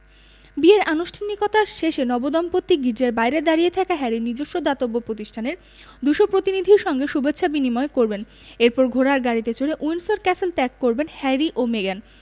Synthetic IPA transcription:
bieɾʔanuʃʈʰanikot̪aʃeʃenɔbod̪ɔmpot̪ːiɡiɾd͡ʑeɾbajɾed̪aɾijet̪ʰɛkaɦɛɾinid͡ʑoʃːod̪at̪obːopɾot̪iʃʈʰaneɾ | d̪uʃopɾot̪inid̪ʱiɾʃɔŋɡeʃubetːɕʰabinimɔekoɾben | eɾpɔɾɡʱoɾaɾɡaɽit̪et͡ɕʰoɾeʔunsoɾkɛseltɛkːoɾbenhɛɾiʔomeɡan

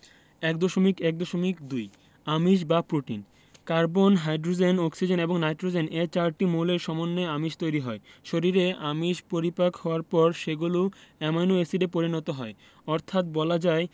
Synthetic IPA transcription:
ɛkd̪oʃomikɛk̚d̪oʃomikd̪uj | amiʃ̬bapɾoʈin | kaɾbonɦajɖɾod͡ʑenɔksid͡ʑeneboŋnajʈɾod͡ʑenet͡ɕaɾʈimoleɾʃɔmonːeamiʃt̪ojɾiɦɔeʃoɾiɾeamiʃpoɾipakhɔoaɾpɔɾʃeɡuluɛmajnoesiɖepoɾinɔt̪oɦɔe | ɔɾt̪ʰat̪̚bɔlad͡ʑae

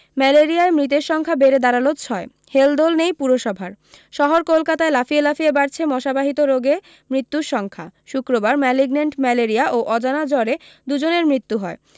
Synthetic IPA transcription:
mɛleɾiaemɾit̪̬eɾʃɔŋkʰabeɾed̪aɾalot̪t͡ɕʰɔe | held̪olnejpuɾoʃɔbʱaɾ | ʃɔɦoɾkolkat̪aelafielafiebaɾt͡ɕʰemɔʃabaɦit̪oɾoɡe | mɾit̪ːuɾʃɔŋkʰaʃukɾobaɾmɛliɡneɳʈmɛleɾiaʔoʔɔd͡ʑanad͡ʑɔɾed̪ud͡ʑoneɾmɾit̪ːuɦɔe

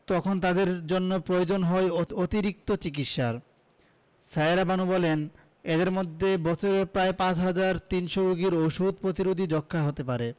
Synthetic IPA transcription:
t̪ɔkʰont̪ad̪eɾd͡ʑonːopɾojod͡ʑonɦɔeot̪iɾik̚t̪ot͡ɕik̬it̪ʃaɾ | saeɾabanubɔlen | ed̪eɾmod̪ʱːebɔt͡ɕʰoɾepɾaepãt͡ɕɦad͡ʑaɾt̪inʃoɾuɡiɾoʃud̪̚pɾot̪iɾud̪ʱid͡ʑɔkʰːaɦot̪epaɾe

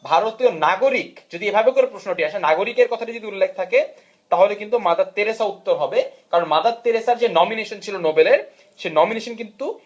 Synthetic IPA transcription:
bʱaɾot̪ionaɡoɾikd͡ʑod̪iebʱabekoɾepɾoʃnoʈiaʃenaɡoɾikeɾkɔt̪ʰaʈid͡ʑod̪iulːek̚t̪ʰake | t̪aɦolekint̪umad̪ad̪̚t̪ːeɾesaut̪ːoɾɦɔbekaɾonmad̪ad̪̚t̪ːeɾesaɾd͡ʑenɔmineʃont͡ɕʰilonobeleɾ | ʃenɔmineʃonkint̪u

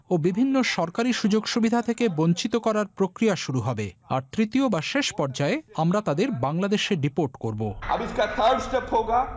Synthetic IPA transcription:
obibʱinːoʃɔɾkaɾiʃud͡ʑoɡʃubid̪ʱat̪ʰekeboɲt͡ɕit̪okɔɾaɾpɾokɾijaʃuɾuɦɔbea̰ɾt̪ɾit̪iobaʃeʃpɔɾd͡ʑaeamɾat̪ad̪eɾbaŋlad̪eʃeɾɖipoɾʈkoɾboɐ̰bɪskat̪ʰəɾɖsʈepɦoːɡa

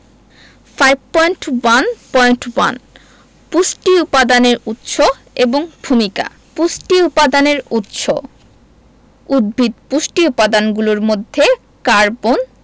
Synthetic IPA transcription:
fajb̚pɔjɳʈwanpɔjɳʈwa̰n | pusʈiupad̪aneɾut̪ːʃo | eboŋbʱumika̰ | pusʈiupad̪aneɾut̪ːʃo | ud̪̚bʱit̪pusʈiupad̪anɡuloɾmod̪ʱːe | kaɾbon

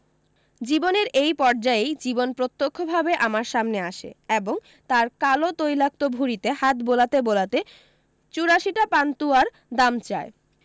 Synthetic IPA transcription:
d͡ʑiboneɾejpɔɾd͡ʑaejd͡ʑibonpɾot̪ːokʰːobʱabeʔamaɾʃamneaʃḛeboŋ | t̪aɾkalot̪ojlak̚t̪obʱuɾit̪ehat̪bolat̪ebolat̪e | t͡ɕuɾaʃiʈapant̪uaɾ | d̪amt͡ɕae

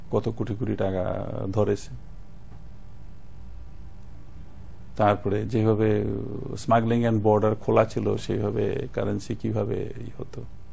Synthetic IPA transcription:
kɔt̪okuʈʰikuʈʰiʈaka̰d̪ʱɔɾet͡ɕʰe | t̪aɾpɔɾed͡ʑebʱabesmaɡliŋɛnbɔɾɖaɾkʰolat͡ɕʰilo̰ʃebʱabḛkaɾensikibʱabḛ | hot̪o

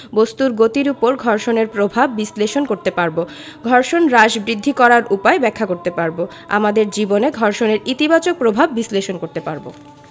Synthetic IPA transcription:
bost̪uɾɡot̪iɾupoɾɡʱɔɾʃoneɾpɾobʱabːisleʃonkoɾt̪epaɾbo | ɡʱɔɾʃonɾaʃbɾid̪ʱːikɔɾaɾʔupaebɛkʰːakoɾt̪epaɾbo | a̰mad̪eɾd͡ʑiboneɡʱɔɾʃoneɾit̪ibat͡ɕok̚pɾobʱabːisleʃonkoɾt̪epaɾbo̰

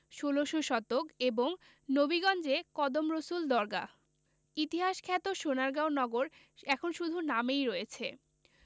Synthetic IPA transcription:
ʃoloʃoʃɔt̪okeboŋ | nobiɡɔnd͡ʑekɔd̪omɾosuld̪ɔɾɡa̰ | it̪iɦaʃkʰɛt̪oʃonaɾɡawnɔɡoɾ | ɛkʰonʃud̪ʱunamejɾojet͡ɕʰe

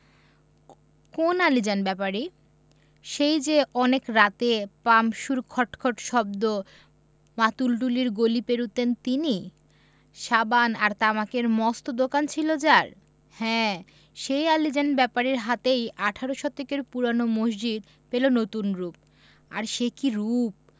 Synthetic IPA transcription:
konalid͡ʑanbɛpaɾi | ʃejd͡ʑeʔɔnekɾat̪epamʃuɾkʰɔʈkʰoʈʃɔb̚d̪o | mat̪ulɖuliɾɡolipeɾut̪ent̪ini | ʃabanaɾt̪amakeɾmɔst̪od̪okant͡ɕʰilod͡ʑaɾ | hɛ̃ | ʃejalid͡ʑanbɛpaɾeɾɦat̪ejaʈʰaɾoʃɔt̪ekeɾpuɾanomoʃd͡ʑid̪ | pelonot̪unɾup̚ | a̰ɾʃekiɾup̚

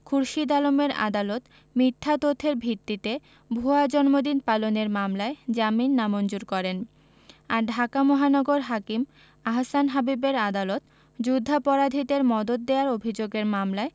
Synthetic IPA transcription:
kʰuɾʃid̪alomeɾa̰d̪alot̪ | mit̪ʰːat̪ot̪ʰeɾbʱit̪ːit̪e | bʱuad͡ʑɔnmod̪inpaloneɾmamlaed͡ʑaminːamond͡ʑuɾkɔɾen | aɾɖʱakamɔɦanɔɡoɾɦakim | aɦasanɦabibeɾad̪alot̪ | d͡ʑud̪ʱːapɔɾad̪ʱit̪eɾmɔd̪ot̪̚d̪eaɾobʱid͡ʑoɡeɾmamlae

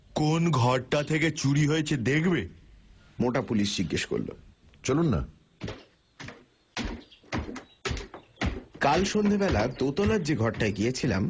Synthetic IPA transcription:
konɡʱɔɾʈat̪ʰeket͡ɕuɾiɦojet͡ɕʰed̪ekʰbe | moʈapuliʃd͡ʑiɡːeʃko̰ɾlo̰ | t͡ɕolunːa̰ | kalʃond̪ʱebɛlat̪ot̪olaɾd͡ʑeɡʱɔʈʈaeɡijet͡ɕʰila̰m

